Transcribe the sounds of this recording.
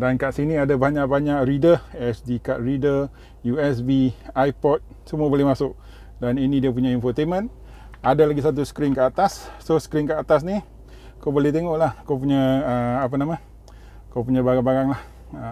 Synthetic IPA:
dankaʔsiniadabaɲaʔbaɲaʔɾidəɛsdikaʔridə | juɛsbiajpɔt̪̚ | səmuabolɛhmasʊk̚ | daninidiap̬uɲaɛnfɔt̪emə̃n | adalaɡisat̪̬usə̥kɾinkəat̪asːosə̥kɾinkəat̪as̬ni | kawbolɛht̪eŋɔʔlahkawp̬uɲaəːpanama | kawpuɲabaɡaŋbaɡaŋlah | ə

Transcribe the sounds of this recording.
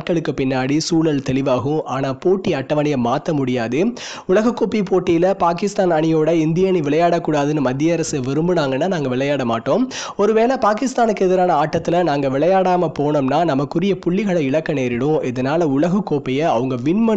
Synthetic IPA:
ʈkːɐɭɯkːɯpɪnːaːɽisuːɭɐlt̪ɛlɪʋaːɣɯ̃aːnaːpoːʈːiɐʈːɐʋɐnɪjɐmaːt̪ːɐmʊɽɪjaːðɯ | ʊɭɐɣɐkːoːpipoːʈːɪjɪlɐpaːkɪst̪aːnɐɳɪjoːɽɐɪnd̪ɪjɐniʋɪɭɐjaːɽɐkːuːɽaːðɯnːɯmɐd̪ːɪjɐɐɾɐsɯʋɪɾɯmbɯnaːŋɡɐnːaːnaːŋɡɐʋɪɭɐjaːɽɐmaːʈːõːmɔɾɯʋeːlɐpaːkɪst̪aːnɯkːɯɛðɪɾaːnɐaːʈːɐt̪ːɪlɐnaːŋɡɐʋɪɭɐjaːɽaːmɐpoːnɐmnaːnɐmɐkːɯɾɪjɐpʊɭːɪɣɐɭɐɪɭɐkːɐneːɾɪɽʊ̃ɪðɐnaːlɐʊɭɐɣɐkːoːpɐjɐɐʋɐŋɡɐʋɪnmɐ

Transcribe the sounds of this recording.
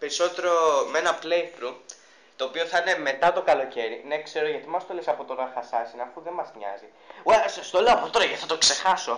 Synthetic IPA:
pe̞ɾiso̞t̪e̞ɾo̞menɐplejt̪ɾu | t̪o̞ːpio̞θɐine̞me̞t̪ɐt̪o̞kɐlo̞ce̞ɾine̞kse̞ɾoʝɐt̪imɐst̪olesɐpo̞t̪onɐxɐsɐsinɐfuðe̞mɐzmɲɐ̰zi | wesst̪oloɐpot̪oɾɐʝɐt̪iθɐt̪okse̞xɐso̞

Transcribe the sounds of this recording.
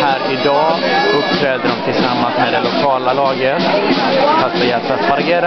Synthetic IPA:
hæːɾɪd̪ɑːɵp̚ːt̪ʰɾɛːd̪əɖɔmt̪ʰɪlsamːansmɛd̪ɛlʊkʰɑːlalɑːɡət | fat̪̚bɛjɛat̪baɾɡeːɾa

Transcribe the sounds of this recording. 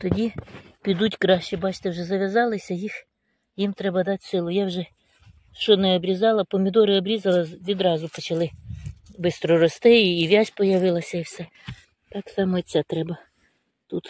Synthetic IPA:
t̪ɔdʲipʲid̪utʲkɾɑʃːɪbɑt͡ʃt̪ewʒɛzɐʋʲɐzɑlˠɪsʲɐjix | jimt̪ɾɛbɐd̪ɑtʲsɪlˠʊjawʒɛ | ʃɔnɛɔbɾʲɪzɑlˠɐpɔmʲɪd̪ɔɾɪɔbɾʲizɐlˠɐʋʲid̪ɾɑzʊpɔt͡ʃɐlˠɪ | bɪst̪ɾɔɾɔst̪ɪiːʋʲjazʲpɔjɐʋɪlˠɐsʲɐiwsɛ | t̪ɑksɑmɔt͡sʲat̪ɾɛbɐ | t̪ut̪

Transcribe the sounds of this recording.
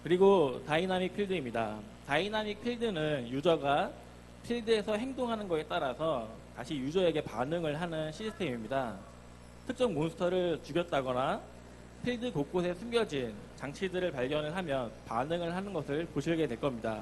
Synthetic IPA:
kɯɾiɡotainamik̚pʰiɭdɯimɲida | tainamik̚pʰiɭdɯnɯnjud͡ʑʌɡa | pʰiɭdɯe̞sʰʌɦe̞ŋdoŋɦanɯnɡʌɕet͈aɾasʰʌ | taɕʰijud͡ʑʌe̞ɡe̞panɯŋɯɭɦanɯnɕʰisʰɯ̥tʰemimɲida | tʰɯk̚t͡ɕ͈ʌnmonsʰɯ̥tʰʌɾɯɭt͡ɕuɡjʌt̚t͈aɡʌna | pʰiɭdɯkok͈osʰe̞sʰɯmɡjʌd͡ʑint͡ɕaŋt͡ɕʰidɯɾɯɭpaɭɡjʌnɯɭɦamjʌnpanɯŋɯɭɦanɯnɡʌsʰɯɭpoɕʰiɭɡe̞dwe̞ɭk͈ʌmɲida̰

